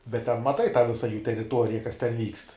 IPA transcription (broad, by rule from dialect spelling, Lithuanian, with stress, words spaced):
bʲɛt tʲɛn mɐˈtɐɪ tɑː ʋʲɪsɐ juː tʲɛrʲɪˈtuɔrʲɪjɛ kɐs tʲɛn ˈʋʲiːkst